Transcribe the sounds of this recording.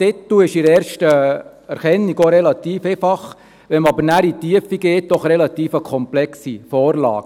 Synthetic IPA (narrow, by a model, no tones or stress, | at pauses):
tɪt̪ːuɪʃɪɾɛːɾʃtə | ɛɾχɛnːiɡoɾɛlɑt̪iːfefɑχ | ʋɛmɑbəɾnæɾit̪iəfiɡeːt̚d̥ɔχɾɛlɑt̪iːfəkʰɔmplɛksifɔːrlɑ̰ːɡ̥